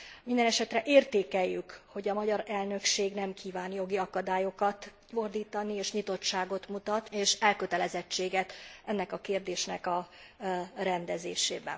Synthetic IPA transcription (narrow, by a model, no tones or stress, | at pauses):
mind̪ɛnɛʃɛt̪rɛʔeːrt̪eːkɛjːykho̞ɟɒmɒɟɒɾɛlnø̞kʃeːɡnɛmkʰiːvaːnjo̞ɡiɒkɒd̪aːjo̞kɒt̪ | fo̞rd̪iːt̪ɒnieːʃɲit̪o̞t͡ʃʃːaːɡo̞t̪mut̪ɒt̪eːʃɛlkøt̪ɛlɛzɛt͡ʃːeːɡɛt̪ɛnːɛkɒkeːrd̪eːʃnɛkɒ | rɛnd̪ɛzḛːʃḛːbɛ̰n